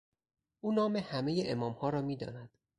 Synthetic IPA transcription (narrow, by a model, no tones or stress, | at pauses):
ʔuːnɒːmehæme̞jeʔemɒːmhɒːɾɒːmiːd̪ɒ̰ːnæd̪̥